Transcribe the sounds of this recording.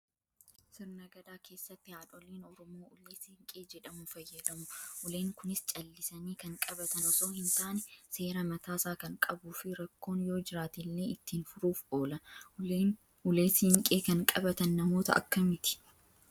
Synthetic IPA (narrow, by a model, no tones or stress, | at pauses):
sɪɾnɐɡɐd̪aːkʰe̞ːsːɐt̪ːɪhaːᶑɔleːnɔɾɔmoːʔʊleːshɪŋkʼeːd͡ʒɛᶑɐmʊfɐjːɐd̪ɐmʊʔʊleːŋkʊnɪst͡ʃʼɐlːɪsɐniːkɐŋkʼɐbɐt̪ɐnɔso̞ːhɪnt̪aːnɛse̞ːɾɐmɐt̪aːsaːkɐŋkʼɐbuːfɪɾɐkːo̞ːnjo̞ːd͡ʒɪɾaːt̪iːlːeɪt̪ːiːnfʊɾuːfo̞ːlɐ | ʊleːsɪhɪŋkʼeːkɐŋkʼɐbɐt̪ɐnːɐmo̞ːt̪ɐ̰ʔɐ̰kːɐmɪt̪ɪ̥